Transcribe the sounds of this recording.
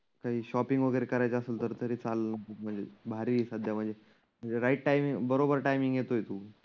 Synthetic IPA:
kaɦiːɕɔpiŋɡʋəɡəɾekəɾajt͡ɕaəselt̪əɾt̪əɾiːt͡salnəkəm̤əɳd͡zebʱaɾiːsəd̪ʱjam̤əɳd͡ze | m̤əɳd͡zeɾaiʈ̚ʈajmiŋbəɾobəɾʈajmĩŋɡjet̪ojt̪uː

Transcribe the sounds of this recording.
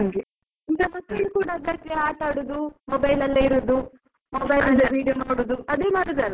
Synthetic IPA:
ɐŋɡu | ind̪ɐmɐt̪ːilkuːɽɐːd̪ːɐɾt̪eaːʈaːɽud̪umobɐjlɐlːɐiɾud̪u | mobɐjlɐlːɐɾiːɖijonoːɽud̪uɐd̪eːmaːt̪ɐd̪ɐlːɐ

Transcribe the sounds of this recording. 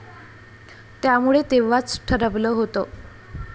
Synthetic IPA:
t̪jamuɭet̪eʋat͡sʈʰəɾəʋləːɦot̪o

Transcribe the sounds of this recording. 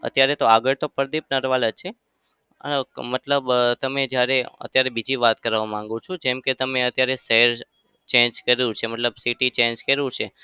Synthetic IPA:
ə̰t̪jaɾet̪oaɡəɭt̪opəɾd̪ip̚nəɾʋalət͡ʃʰe | əmət̪ləbt̪əmed͡ʒjaɾeə̰t̪jaɾebid͡ʒiʋat̪̚kəɾʋamãŋɡũt͡ʃʰud͡ʒɛmket̪əmeət̪jaɾeseɦɾ | t͡ʃẽɲd͡ʒkəɾeũt͡ʃʰeməʈləbsiʈit͡ʃẽnd͡ʒkəɾũt͡ʃʰe

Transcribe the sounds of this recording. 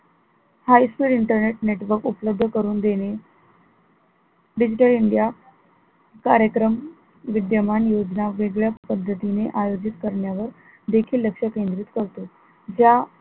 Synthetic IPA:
hajskɾiːɽiɳʈəɾneʈneʈʋəɾkupləb̚d̪ʱəkəɾuːnd̪ene | ɖid͡ʑiʈəliɳɖija | kaɾjəkɾəm | ʋid̪jəmanjod͡ʑnaʋeɡɭjapəd̪ʱːət̪ineʔajod͡ʑit̪kəɾɳjaʋəɾ | d̪ekʰiːlːəkʂəkend̪ɾit̪kəɾt̪o | d͡ʑja

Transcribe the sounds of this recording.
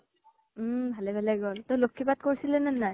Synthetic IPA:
m̩bʱalɛbʱalɛɡɔlt̪ɔjlokʰːibat̚koɹisilɛnɛnːaj

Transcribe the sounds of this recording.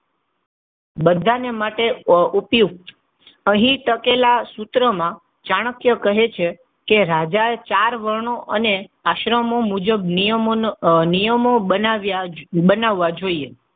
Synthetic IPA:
bəd̪ʱːanemaʈeupjuɡ̚t̪ | əɦĩʈəkelasut̪ɾəmã | d͡ʒaɽ̃əkjəkəɦet͡ʃʰe | keɾad͡ʒaet͡ʃaɾʋəɾɳoʔəneaʃɾəmomud͡ʒəb̚nə | nijəmobənaʋjabənaʋːad͡ʒoie

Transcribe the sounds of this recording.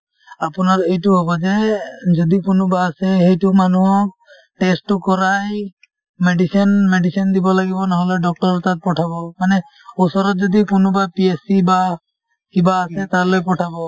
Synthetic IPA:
apʊnaɹejtʊɦɔbɔzɛzɔd̪ikʊnʊbaːsɛhejtʊmanuɦɔk̚ | ʈestʊkɔɹaj | meɖisɔnmeɖisɔnd̪ibɔlaɡibɔnɔɦɔlɛɖɔk̚tɔɹɔt̪at̚pɔʈʰabɔmanɛ | ɔsɔɾɔt̚zɔd̪ikʊnʊbapiesiba | kibaːsɛt̪alojpɔʈʰabɔ

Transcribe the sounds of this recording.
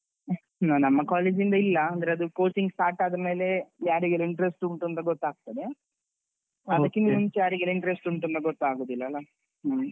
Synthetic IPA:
nnɐmːɐkaːled͡ʒind̪ɐilːɐɐnd̪ɐɾeɐd̪ukoːt͡ʃiŋɡsʈaːɾʈaːd̪ɐɾɐme̞ːlejaːɾiɡeliɳʈɐɾesʈuɳʈunt̪ɐɡɔt̪ːaːɡ̚t̪ɐd̪ea | ɐd̪ɐkːinːuɲt͡ʃjaːɾiɡelɐiɳʈɐɾesʈuɳʈunt̪ɐɡɔt̪ːaːɡoːd̪ilːɐlːɐ

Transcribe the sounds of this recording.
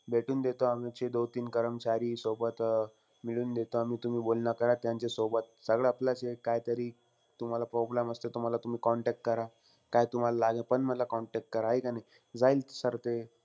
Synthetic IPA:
bʱeʈʰuːnd̪et̪oamat͡ɕed̪ot̪iːnkəɾəmt͡ɕaɾiːsobət̪ | miɭuːnd̪et̪oamiːt̪um̤iːbolnakəɾat̪jãɲt͡ɕesobət̪̚səɡɭeaplat͡ɕekajt̪əɾiː | t̪um̤alapɾɔblaməst̪et̪um̤alat̪um̤iːkɔɳʈɛk̚ʈ̚kəɾa | kajt̪um̤alalaɡapəɳməd̪lakɔɳʈek̚ʈ̚kəɾaɦejkanaj | d͡zailt̪səɾt̪e

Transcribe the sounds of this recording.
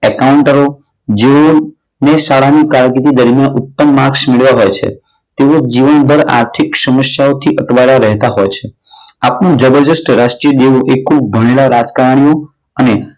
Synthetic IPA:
ɛkauɳʈəɾo | d͡ʒeo | nesaɽanikaɾɡit̪id̪əɾmjanʊt̪ːəmːaɾksmeɭʋaɦojt͡ʃʰḛ | t̪eod͡ʒiʋənb̪ʱəɾa̰ɾt̪ʰiksəməʃjaot̪ʰiʔəʈʋaelaɾɛɦt̪aɦojt͡ʃʰe | apnũd͡ʒəbəɾd͡ʒəsʈɾaʃʈɾijəɖeuʔekʰːub̚bʱəɽ̃elaɾad͡ʒkaɾəɽ̃io | əne

